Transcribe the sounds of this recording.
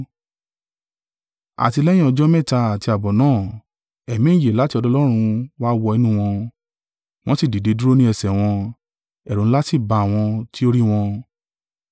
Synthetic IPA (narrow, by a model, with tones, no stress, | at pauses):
a̰˨ti˧lɛ̃˦ĩ˦ɔ˧d͡ʒɔ˦mɛ̃˦˨ta˧a˨ti˧a˨bɔ˨nãː˦˨ | ɛ˨mĩ˦˨je˨la˨˦ti˧ɔ˧dɔ˧lɔ˦ɾ̃ũ˧wa˦wɔ˧i˧nũ˦w̃ɔ̃˧ | w̃ɔ̃˦si˦˨di˨de˨˧du˦ɾo˦nĩ˦ɛ˨sɛ˨w̃ɔ̃˧ | ɛ˨ɾũ˨˦la˦ti˦˨ba˧˨w̃ɔ̃˧ti˦o˦ɾi˦w̃ɔ̃˧